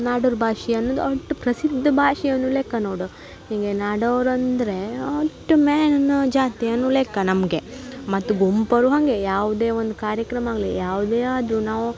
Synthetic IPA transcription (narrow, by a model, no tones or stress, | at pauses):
naːɖuɾbʱaːʂiɐnːoːd̪uɐʈːupɾɐsid̪ʱːɐbʱaːʂijɐnːuleːkɐnoːɽu | hiŋɡenaːɖɐʋɾɐnd̪ɐɾe̞ɐʈːumɛːnɐnːɐd͡ʒaːt̪ijɐnːuleːkɐnɐmɡe̞mɐt̪ːuɡompɐɾuɦɐŋɡe̞jaːʋud̪e̞ːʋond̪ukaːɾjɐkɾɐmɐaːɡlḭjaːʋud̪eːaːd̪ɾunaːʋu